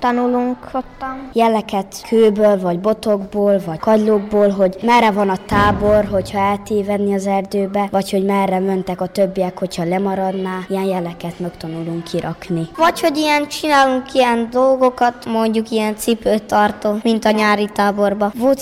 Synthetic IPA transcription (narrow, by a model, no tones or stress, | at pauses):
t̪ɒnuluŋkhot̪ːɒmjɛlɛkɛt̪kʰøːbøːlvɒɟbo̞t̪oɡboːlvɒɟ̥kɒɟloːɡ̚boːlɦo̞ɟmɛrːɛvɒnɒt̪aːborɦo̞chɒɛlt̪eːvɛd̪niɒzɛrd̪øːbɛvɒcho̞ɟmɛrːɛmønt̪ɛkɒt̪øbːiɛkho̞chɒlɛmɒɾɒd̪naːijɛnjɛlɛkɛt̪mɛkt̪ɒnuluŋkʰːiɾɒknivɒcho̞ɟijɛnt͡ʃinaːluŋkijɛnd̪o̞lɡo̞kɒt̪mo̞ɲɟukijɛnt̪sipøːt̪ːɒrt̪omint̪ɒɲaːɾit̪aːbo̞rbɒvoːt̪